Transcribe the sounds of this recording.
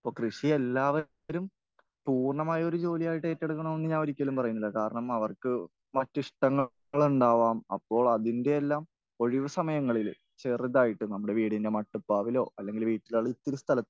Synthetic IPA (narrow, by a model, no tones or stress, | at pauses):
ɐpːo̞ːkrɨʂie̞lːaːʋɐ | ɾum | puːrɳɐmaːjɐo̞ɾud͡ʑo̞ːlijaːjiʈːɨe̞ːtːeɽukːɐɳɐme̞nːɨɲaːnoɾikʲːɐlumpɐrɐjunːilːɐkaːɾɐɳɐmɐʋɐrkɨ | mɐtːiʂʈɐŋːɐ | ɭuɳɖaːʋaːmɐ̰pːo̞ːɭɐðinde̞ːlːaːm | o̞ɻiʋɐsɐmɐjɐŋːɐɭil | t͡ɕe̞riðaːjiʈːɨnɐmːuɽe̞ʋiːɽinde̞mɐʈːupːaːʋilo̞ːɐlːe̞ŋɡilʋiːʈːilaːɭɨit̪ːiɾust̪ʰɐlɐt̪ː